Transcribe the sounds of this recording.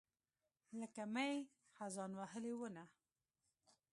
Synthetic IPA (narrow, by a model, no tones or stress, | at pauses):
ləkamaj | xazɑnwaɦəlewəna